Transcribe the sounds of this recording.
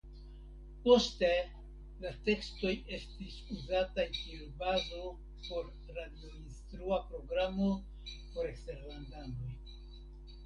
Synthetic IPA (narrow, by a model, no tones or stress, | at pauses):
po̞ste̞ | late̞ksto̞je̞stisuzatajkiubazo̞ | po̞ɾːadio̞instɾuapɾo̞ɡɾamo̞ | po̞ɾe̞kste̞ɾlandano̞j